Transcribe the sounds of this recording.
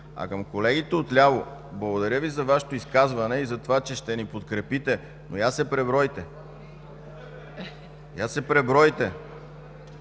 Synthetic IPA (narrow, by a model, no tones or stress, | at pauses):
ɐ̰kɐmkolɛɡʲit̪ɛot̪lʲavoblˠɐɡod̪ɐɾʲəvizɐvaʃɛ̥t̪oiskazvɐnɛizɐt̪ovat͡ʃɛʃt̪ɛnipot̪̚kɾɛpit̪ɛ | nojasɛpɾɛbɾɔjt̪ɛ | jasɛpɾɛbɾɔjt̪ɛ